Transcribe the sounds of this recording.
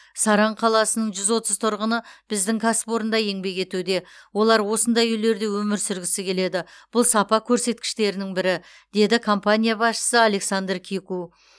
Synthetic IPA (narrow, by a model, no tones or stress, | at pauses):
sɑɾɑɴqʰɑlˠɑsənəɴʒʏzwo̞t̪əzt̪ʰʊɾʁənəb̥ɪzd̪ɪŋkʲʰɑsɪ̥po̞ɾənd̪ɑje̞ŋbe̞kʲe̞t̪ud̪e̞wo̞lˠɑɾwo̞sənd̪ɑjʏle̞ɾd̪e̞wɵmɪɾsʏɾɡʲɪsɪkʲʰe̞le̞d̪ɪb̥ʊlˠsɑpɑkʲʰɵɾse̞t̪̚kʲɪ̥ʃt̪e̞ɾɪnɪŋbɪɾɪ | d̪̥e̞d̪ɪkʰo̞mpanʲijabɑsʃə̥səale̞ksand̪rkʲʰeku